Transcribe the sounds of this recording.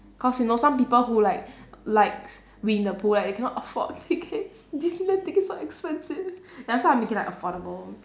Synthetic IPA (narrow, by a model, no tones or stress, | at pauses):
kʰɔsjunosãmpipəlhulaɪk̚laɪks | wĩndəpʰulaɪdekʰɛ̃nɔtəfɔ̰dtʰikʰetsdisilə̃tikɪtsɔʔɛkspɛ̃nsivjasaãmekĩŋlaɪkəfɔɾəbəl